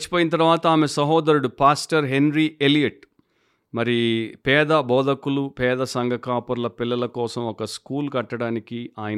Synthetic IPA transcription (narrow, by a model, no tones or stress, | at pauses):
t͡ʃːi̥poːjinɐt̪̬ɐɾʋaːt̪ɐaːmesɐɦɔːd̪ɐɾuɽupaːsʈɐɾɦe̞nɾielijɐʈ | mɐɾipɛːd̪ɐbɔːd̪ɐkulupɛːd̪ɐsɐŋɡʱɐkaːpuɾlɐpilːɐlɐkɔːsɐmɔkɐskuːlkɐʈːɐɽaːnikiaːjɐn